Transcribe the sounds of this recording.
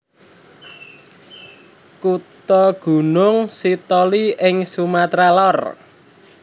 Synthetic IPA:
kut̪ɔɡ̥ṳnʊŋsit̪ɔliʔɪŋsumat̪ɾalɔr

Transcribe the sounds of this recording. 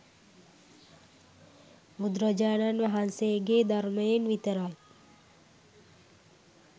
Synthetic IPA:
mud̪ɾəd͡ʒaːnanʋaɦanseɡeːd̪aɾməjenʋit̪əɾaj

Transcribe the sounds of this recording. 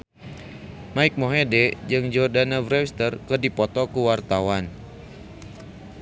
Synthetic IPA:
maik̚moɦedɛd͡ʒɨŋd͡ʒɔrdanavɾɛwst̪ərkɨrdipɔt̪ɔkuwart̪awan

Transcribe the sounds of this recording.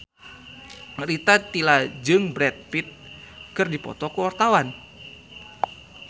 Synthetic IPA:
rit̪at̪ilad͡ʒɨŋbɾɛt̪̚pit̪̚kɨrdipɔ̰t̪ɔkəwart̪awan

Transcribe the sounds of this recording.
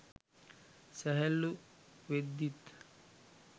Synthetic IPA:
sɛɦɛlːuʋed̪ːit̪

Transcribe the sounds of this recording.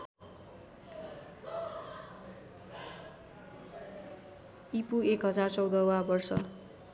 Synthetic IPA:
ipuekɦʌd͡zart͡sʌwd̪ʌwabʌrsʌ

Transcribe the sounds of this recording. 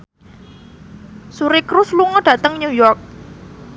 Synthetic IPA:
suɾikɾusluŋɔɖ̥ä̤t̪əŋnujɔrk̚

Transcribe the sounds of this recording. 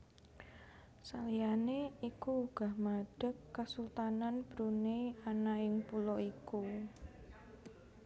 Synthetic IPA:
salijaneikuːɡ̥a̤hmaɖ̥ə̤kːasult̪ananb̥ɾuneanaɪŋpulɔiku

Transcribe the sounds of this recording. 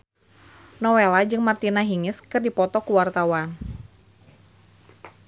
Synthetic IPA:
nɔwelad͡ʒɨŋmart̪inaɦiŋɪskɨrdipɔt̪ɔkuwart̪awan

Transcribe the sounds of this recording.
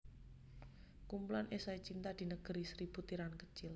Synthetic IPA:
kumpulanʔesait͡ʃint̪ad̪̥i̤nəɡ̥əɾisɾiput̪iɾankət͡ʃɪl

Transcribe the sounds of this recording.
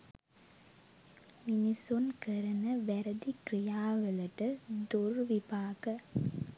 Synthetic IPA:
minisunkəɾɐnəʋæɾəd̪ikrijaːʋəlɐʈəd̪urʋibaːkə

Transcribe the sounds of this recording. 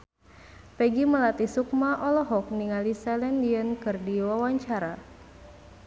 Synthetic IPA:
pɛɡiməlat̪isuk̚maʔɔlɔɦɔk̚niŋalisɛlɛndiənkɨrdiwawaɲt͡ʃaɾa

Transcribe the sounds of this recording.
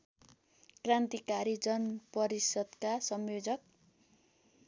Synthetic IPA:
krant̪ikaɾid͡zʌnpʌɾisʌd̪kasʌmjod͡zʌk̚

